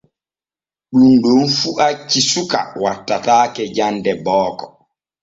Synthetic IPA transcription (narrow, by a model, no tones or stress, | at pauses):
ɗumɗunfuʔakisuka̰watːataːkɛd͡ʒandɛbɔːkɔ